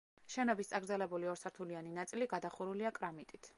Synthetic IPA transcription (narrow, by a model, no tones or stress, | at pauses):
ʃɛnɔbist̪sʼaɡɾd̪zɛlɛbuliɔɾsaɾt̪ʰulianinat̪sʼiliɡad̪aχuɾuliakʼɾamit̪ʼit̪ʰ